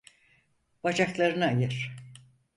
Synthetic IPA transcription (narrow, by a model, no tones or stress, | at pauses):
b̥ad͡ʒaklˠaɾɯnaːjɯɾ̥